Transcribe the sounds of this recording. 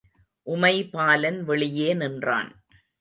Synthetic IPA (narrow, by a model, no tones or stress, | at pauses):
ʔʊmɐɪpaːlɐnʋɛɭɪjeːnɪndra̰ːn